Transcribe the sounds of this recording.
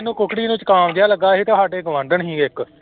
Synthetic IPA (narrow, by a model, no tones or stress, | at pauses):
nũːkʊkɽiːnũːt͡ʃkaːmd͡ʒɪjaːləɡːaːɦiːt̪aːɦaːɖeːɡəʋə̃ɳɖəɳɦĩːɪk